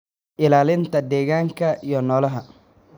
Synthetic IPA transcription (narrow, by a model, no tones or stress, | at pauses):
ʔɪlaːlɪnt̪ʰɐd̪ɛːɣaːŋkʰɐʔijɔnɔːlɐɦɐ